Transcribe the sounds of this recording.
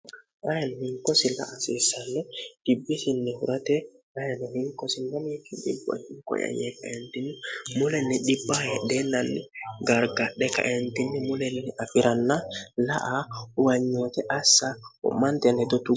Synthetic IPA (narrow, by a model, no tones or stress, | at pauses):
ʔajanhiŋkɔsila̰ʔasisanːɛd̥ibːisinːɛhuɾatɛ | ajanɔhiŋkɔsindamikidḭba̰hiŋkɔ̰ja̰jɛkajɛntinimulɛnːiɗibːajɛɗɛnanːiɡaɾɡaɗɛka̰ʔentinːimulɛnːɛʔafiɾʔanːalaʔauwaɲːɔtɛʔasaɔ̰mantɛnɛtɔtu